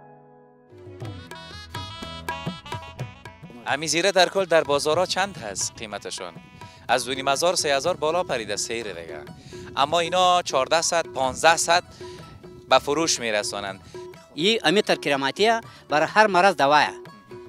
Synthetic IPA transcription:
amiziɾad̪aɾkʰʊld̪aɾbɔzɔɾɔt͡ʃʰand̪ɦasqʰimat̪ʰeʃɔ̰n | azd̪unimazɔɾsehazɔɾbɔlɔpʰaɾid̪aseɾd̪ḛɡa̰a̰mːɔinɔt͡ʃʰɔɾd̪ahsad̪̚pʰɔnzd̪ahsad̪̚ | bafʊɾuʃmeɾasɔ̰na̰nd̪ | iʔɐmit̪aɾkiɾamat̪iabaɾahaɾmaɾazd̪awaja̰

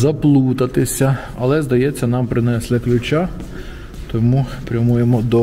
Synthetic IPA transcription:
zɐplˠut̪ɐt̪ɪsʲɐ | ɐlˠɛzd̪ɐjɛt͡sʲːɐnɑmpɾɪnɛslˠɪklʲʊt͡ʃa | t̪ɔmupɾʲɐmujemɔd̪ɔ

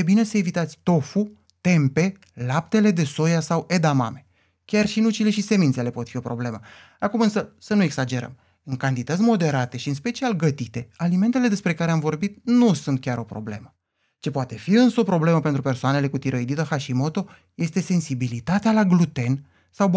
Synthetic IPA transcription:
ebine̞səevit̪at̪sʲt̪o̞fu | t̪e̞mpe̞ | lap̚t̪e̞le̞d̪e̞so̞jasawe̞d̪ama̰me̞ | kʲarʃinut͡ʃile̞ʃise̞mint̪se̞le̞po̞t̪fio̞pɾo̞ble̞mə | akumɨnsəsənue̞ksad͡ʒe̞ɾə̰m | ɨŋkant̪it̪ət̪sʲmo̞d̪e̞ɾat̪e̞ʃiɨnspe̞t͡ʃialɡət̪it̪e̞alime̞nt̪e̞le̞d̪e̞spɾe̞kaɾeamvo̞rbit̪̚nusunt̪̚kʲaɾo̞pɾo̞̰ble̞̰mə | t͡ʃe̞poat̪e̞fiɨnsəopɾo̞ble̞məpent̪ɾupe̞rsoane̞le̞kut̪iɾəjd̪it̪əxaʃimo̞t̪o̞ | je̞st̪e̞se̞nsibilit̪at̪ealaɡlut̪e̞n | saw

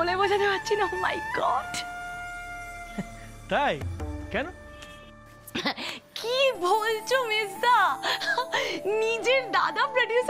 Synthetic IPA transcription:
olebod͡ʑʰʱat̪epatːɕʰinoma̰jɡɔɖ | t̪ajkɛno | kibolt͡ɕʰomezːa | nid͡ʑeɾd̪a̰d̪apɾoɖjus

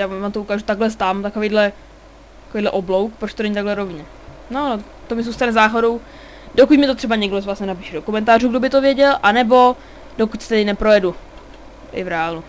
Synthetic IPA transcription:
jaːavaːmt̪oukaːʒut̪aɡlɛst̪aːmt̪akovejdlɛ | tt̪ḁkovejːdlɛʔoblowkpɾot͡ʃt̪onɛɲit̪aɡlɛɾovɲɛ | nono | t̪omɪzuːst̪anɛzaːɦodow | dokucmɪt̪o̞t̪r̥ɛbaɲɛɡdosvlasɲɛnapiːʃɛdokumɛnt̪aːruːɡdobɪt̪ovjɛɟɛlʔanɛbo̞ | dokucsɛ̥t̪ɛdɪnɛpɾo̞jɛdu | ʔɪ̰vɾɛalu

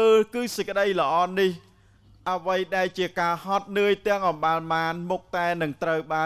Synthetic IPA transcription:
əːkɨːsəc̚kə̆ɗəjlə̆ʔɑːnih | ʔəʋəjɗaɛlt͡ɕiəkaːhɑt̪̚nɨəjt̪ɛ̆əŋʔɑmɓaːlmaːnmuk̚t̪aɛnɨŋt̪rəwɓaː

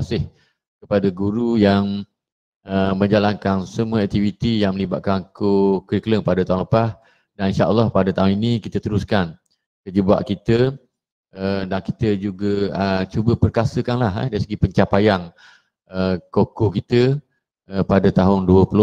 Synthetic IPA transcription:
asɪh | kəpadəɡuɾujaŋ | əmə̃ɲd͡ʒalankansəmuəɛk̚t̪ivit̪ijaŋməlibat̪̚kaŋkokɾikələŋpadət̪aɦũnləpas | daninʃaʔə̰lːɑhpadət̪aɦʊninĩkit̪ət̪əɾuskan | kəd͡ʒəbua̰ʔkit̪ə | ədanki̥t̪əd͡ʒuɡəət͡ʃubəpərkasəkanlaɦa̰daɾisəɡipəɲt͡ʃapajaŋ | əkokokit̪ə | əpadət̪aɦʊnduəpulʊ

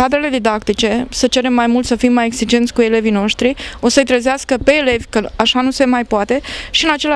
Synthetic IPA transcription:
ad̪ɾele̞d̪id̪akt̪it͡ʃe̞sət͡ʃe̞ɾe̞mːajmult̪səfimːajeksid͡ʒe̞nt̪sʲkue̞le̞vino̞ʃt̪ɾio̞səjt̪ɾəzeaskəpe̞ːle̞vʲkəaʃanuse̞majpoat̪e̞ʃiɨnat͡ʃe̞la

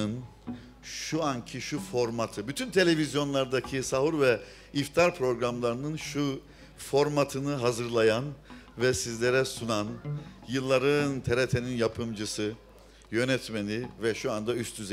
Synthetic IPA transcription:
ɯn | ʃuancʰiʃufo̞ɾmat̪ʰɯbyt̪ʰynt̪ʰe̞lʲe̞vizjo̞nlˠaɾd̪acʰisaɦuɾvɛ | ift̪ʰaɾpʰɾo̞ɡɾamlˠaɾɯnɯnʃu | fo̞ɾmat̪ʰɯnɯɦazɯɾlˠajanvɛsizlʲe̞ɾɛsunanjɯlˠːaɾɯnt̪ʰeɾet̪ʰe̞ninjapʰɯmd͡ʒɯsɯ | jø̞nɛt̪menʲivɛʃuand̪ayst̪ʰyz

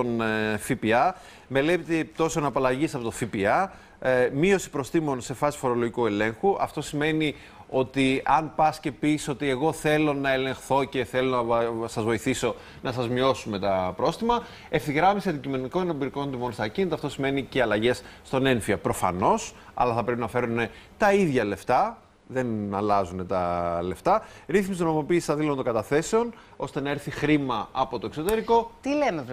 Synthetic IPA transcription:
onfipiɐ | me̞lepit̪et̪o̞sonɐpɐlɐʝisɐpo̞t̪ofipiɐ | mio̞si̥pɾo̞st̪imo̞nse̞fɐsi̥fo̞ɾo̞loʝikue̞le̞ŋxuʔɐ̰ft̪o̞sime̞ni | o̞t̪iɐnpɐsce̞pisi̥so̞t̪ie̞ɣo̞θe̞lo̞nɐe̞le̞ŋxθo̞ce̞θelo̞nɐsɐzvo̞iθiso̞ | nɐsɐzmio̞sume̞t̪ɐpɾo̞st̪imɐ | e̞fiɣɾɐmisiɐnd̪icime̞niko̞inobiɾiko̞nt̪imo̞nst̪ɐcinit̪ɐft̪o̞sime̞niceɐlɐʝe̞sːt̪o̞ne̞nfiɐpɾo̞fɐ̰no̞sɐ̰lɐθɐpɾepinɐfe̞ɾune̞ | t̪ɐiðʝɐle̞ft̪ɐ | ðe̞nɐlɐzune̞t̪ɐle̞ft̪ɐɾiθmisnomopiːsi̥t̪ɐðilont̪o̞ŋɡɐt̪ɐθe̞seo̞n | o̞st̪e̞nɐe̞ɾθixɾimɐɐpo̞t̪o̞ekso̞t̪e̞ɾiko̞t̪ileme

